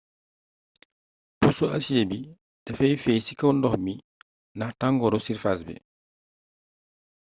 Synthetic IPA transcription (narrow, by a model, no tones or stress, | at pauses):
pusuɐsijebi | d̥ɛfɛjfɛjsikɐwndɔhmi | nahtaŋɡɔɾɔsiɾfasbɛ̰